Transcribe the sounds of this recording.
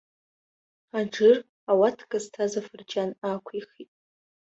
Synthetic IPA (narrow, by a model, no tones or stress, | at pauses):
aʈ͡ʂɨr | awatʰɡʼaztʰazafɨrd͡ʒʼanakʷʰiχitʼ